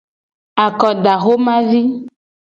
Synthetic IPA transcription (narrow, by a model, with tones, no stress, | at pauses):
a˨kɔ˨ɖa˨xo˦mã˦vi˦